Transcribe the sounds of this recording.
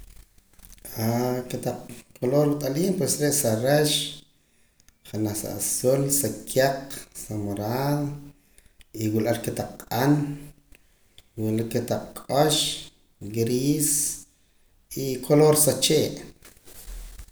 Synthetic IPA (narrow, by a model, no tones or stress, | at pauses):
aket̪aq͡χkʰoloɾut̪ʼaliːmpwesɾeʔsaɾeʃ | χanaχsa̰ʔsulsakʰjaqsamoɾaðo | iwulaɾket̪aq͡χqʼan | wulaket̪aq͡χ̚kʼoʃ | ɡɾiːs | ikʰoloɾsat͡ʃeːʔ